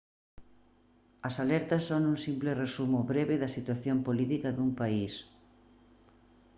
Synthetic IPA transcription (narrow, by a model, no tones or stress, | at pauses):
ɐsalɛɾt̪ɐsːoŋuŋsimplɪresumʊβɾeβɪðɐsit̪waθjompolit̪ikɐðuŋpais